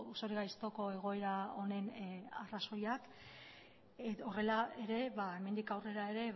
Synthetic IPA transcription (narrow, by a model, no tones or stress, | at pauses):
uso̞ɾiɣajst̪oko̞e̞ɣ̞o̞e̞ɾao̞ne̞naraso̞jak | o̞re̞lae̞ɾe̞βae̞me̞nd̪ikawre̞ɾae̞ɾe̞